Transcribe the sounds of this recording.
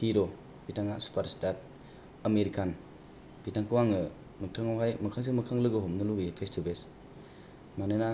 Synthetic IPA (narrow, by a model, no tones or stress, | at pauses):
hiɾɔ | b̥itaŋasu̥pʰaɾstat̚ | ɐmeɾikʰan | b̥itaŋkʰɯwaŋɯ | mɯtʰaŋawɦajmɐkʰaŋs̬imɐkʰaŋlɯɡɯɦɔmnɯlubipʰestubes | manɯna